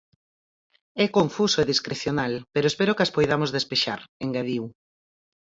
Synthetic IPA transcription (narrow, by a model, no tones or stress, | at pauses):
ɛkoɱfusoeðiskɾeθjonalpeɾoespeɾokaspojðamozðespeʃaɾeŋɡaðiw